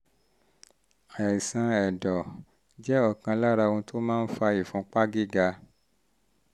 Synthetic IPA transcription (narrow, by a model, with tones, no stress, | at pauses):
a˨i˨sã˧ɛ˨dɔ˨ | d͡ʒɛ˦ɔ˦˨kã˧la˦ɾa˧ũ˧to˦mãː˦n̩˦fa˧i˨fũ˨˧˦k͡pa˦ɡi˦ɡa˧